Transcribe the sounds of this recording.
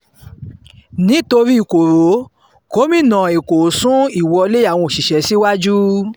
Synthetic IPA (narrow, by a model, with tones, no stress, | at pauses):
nĩ˨˦to˧ɾi˦i˦˨ko˨ɾo˨˦ | ko˨˦mĩ˦˨nã˨e˨ko˨sũ˦i˨wɔ˧le˦a˦˨w̃ɔ̃˧o˨ʃi˨ʃɛ˨˦si˦wa˦d͡ʒu˦